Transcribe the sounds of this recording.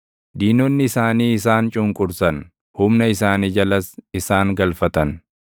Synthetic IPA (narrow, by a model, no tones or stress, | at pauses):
d̪iːnɔnːɪɪsaːniːɪs̬aːnt͡ʃʼʊŋkʼʊɾsɐn | hʊmnɐɪsaːniːd͡ʒɐlɐsɪsaːŋɡɐlfɐt̪ɐn